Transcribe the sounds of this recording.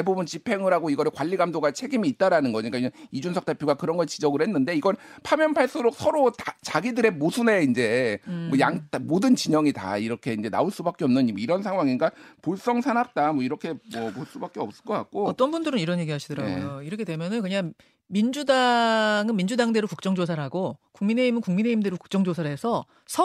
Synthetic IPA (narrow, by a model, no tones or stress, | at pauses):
ebubunt͡ɕipʰe̞ŋɯɾaɡoiɡʌɾɯɭkwaʎːiɡamdoɡat͡ɕʰe̞ɡimiːt̚t͈aɾanɯnɡʌɲik͈aid͡ʑunsʰʌk̚t͈epʰjoɡakɯɾʌnɡʌt͡ɕid͡ʑʌɡɯɭhe̞nːɯnde̞iɡʌɭpʰamjʌnpʰaɭs͈ɯɾok̚sʰʌɾoat͡ɕaɡidɯɾe̞mosʰune̞ind͡ʑe̞mwʌjaŋtamodɯnt͡ɕiɲʌŋita̰iɾʌkʰe̞ind͡ʑe̞na̰oɭs͈ubak͈eʌmnɯnimiɾʌns̬ʰaŋwaŋinɡapoɭs͈ʌŋsʰanap̚t͈amwʌiɾʌkʰe̞mwʌmoɭs͈ubak͈eʌps͈ɯ̥ɭk͈okak̚k͈oʌt͈ʌnbundɯɾɯniɾʌnje̞ɡiɦaɕʰidʌɾaɡujoiɾʌkʰe̞dwe̞mjʌnɯnkɯɲaŋ | mind͡ʑudaŋɯnmind͡ʑudaŋde̞ɾokuk̚t͡ɕ͈ʌŋd͡ʑosʰaɾɦaɡokuŋmine̞imɯnkuŋmine̞imde̞ɾoku̥k̚t͡ɕ͈ʌŋd͡ʑosʰaɾɦe̞sʰʌ | sʰʌ